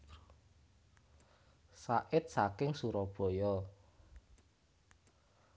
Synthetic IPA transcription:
saʔɪt̪̚sakɪŋsuɾɔb̥ɔ̤jɔ

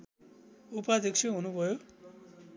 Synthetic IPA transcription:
upad̪ikʃeɦunubʱʌjo

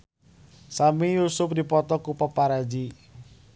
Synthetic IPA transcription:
samijusʊp̚dipɔt̪ɔkupɔpaɾad͡ʒi

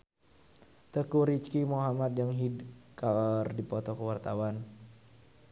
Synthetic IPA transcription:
t̪əkuɾit͡ʃkimoɦamat̪̚jaŋɦidkardipɔt̪ɔkəwart̪awan

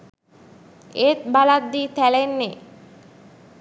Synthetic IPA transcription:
et̪balad̪d̪it̪ʰɛlenːe

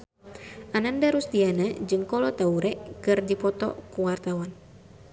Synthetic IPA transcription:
ʔanandaɾust̪ianad͡ʒɨŋkɔlɔt̪auɾɛkɨrdipɔt̪ɔ̰kuwart̪awan

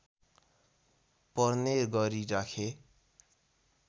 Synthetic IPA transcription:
pʌrneɾɡʌɾiɾakʰe

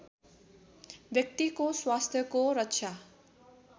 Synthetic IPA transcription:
bjʌk̚t̪ikoswast̪ʰjʌkoɾʌtːʃʰa

